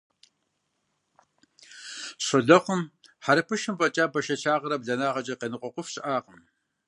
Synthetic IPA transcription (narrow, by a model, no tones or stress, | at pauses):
ɕʷɔɮɐqʷʊmħaɾɐpʰɨʃɨmpʼɐt͡ʃʼaːbɐʃɐt͡ʃʰaːʁɐɾɐbɮɐnaːʁɐt͡ʃʼɐqenɨqʷʼɔqʷʊfɕɪʔaːqəm